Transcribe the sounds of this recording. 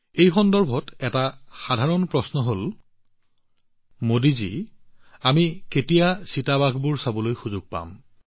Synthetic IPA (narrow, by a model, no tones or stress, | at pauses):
ejxɔndɔɹbʱɔtɛtaxadʱaɹɔnpɹɔsnɔɦol | modizi | amiketijasitabaɡʱbuɹsabɔlojxuzʊɡ̚pa̰m